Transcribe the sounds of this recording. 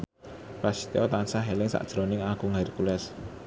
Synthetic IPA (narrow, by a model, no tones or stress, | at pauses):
pasi̥t̪eɔt̪ansaɦɛlɪŋsa̰ʔd̥ʒ̥ɾonɪŋaɡ̥uŋarkulɛs